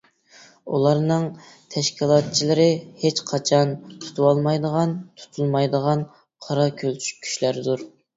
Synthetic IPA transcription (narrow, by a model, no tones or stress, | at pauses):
ṵlˠɑɾnɨŋ | t̪ʰɛʃkʲilˠɑt̪̚t͡ʃʰilˠɪɾɪhet͡ʃqʰɑt͡ʃʰɑnt̪ʰu̥t̪ʰuwɑlˠmɑjd̪əʁɑnt̪ʰu̥t̪ʰulˠmɑjd̪əʁɑn | qʰɑɾɑkʲʰølt͡ʃʰy̥kʲʰːy̥ʃlæɾɪd̪uɾ